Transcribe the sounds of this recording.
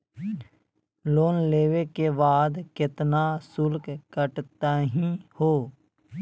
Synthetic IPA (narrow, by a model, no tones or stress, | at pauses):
loːnleːwekebaːd̪kɪt̪nasʊlkkəʈt̪aːɦĩhoː